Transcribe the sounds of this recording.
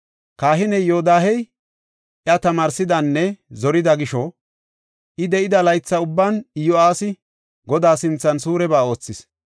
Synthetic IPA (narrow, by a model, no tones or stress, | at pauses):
kaːɦɪnɛjjod̪aːhɛj | ʔjɐt̪ɐmaːɾsɪd̪ɐnːɛzɔɾɪd̪ɐɡɪʃɔ | ʔɪd̪ɛʔɪd̪ɐlɐjt͡sːɐʊbːanɪjɔaːsɪ | ɡɔd̪aːsɪnt͡sːɐnsuːɾɛbaːo̞ːt͡sːɪs